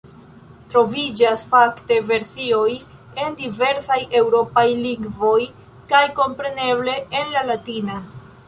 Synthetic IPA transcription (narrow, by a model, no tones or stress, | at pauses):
tɾo̞vid͡ʒasfakte̞ve̞ɾsio̞j | e̞ndive̞ɾsajʔe̞wɾo̞pajliŋɡvo̞j | kajko̞mpɾe̞ne̞βle̞ːnlalatina